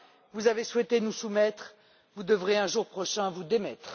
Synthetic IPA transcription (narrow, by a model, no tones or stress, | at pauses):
vuzaveswɛt̪enusumɛt̪χ | vud̪əvʁeɛ̃ʒuʁpχɔʃɛ̃vud̪emɛt̪χ